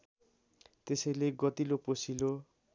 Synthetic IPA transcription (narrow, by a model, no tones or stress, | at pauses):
t̪esʌjleɡʌt̪iloposilo